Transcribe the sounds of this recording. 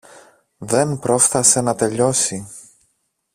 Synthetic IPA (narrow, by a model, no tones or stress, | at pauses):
ðe̞npɾo̞fθɐse̞nɐt̪e̞ʎo̞si